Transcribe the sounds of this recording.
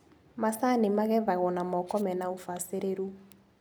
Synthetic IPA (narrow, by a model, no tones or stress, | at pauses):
masanemaɣɛvaɣɔnamɔkɔmɛnaofaseɾeɾu